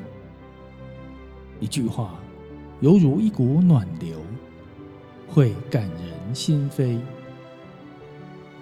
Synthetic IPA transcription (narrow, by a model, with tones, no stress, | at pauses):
i˨˩t͡ɕu˥˧˨xwa˥˧ | jo˨˦ʊwzuː˨˦i˦˥ku˨˦nwa˨˩nli˨˦w | hwe˥˧˩ka˨˩njə˨˦nɕi˦nfe˦j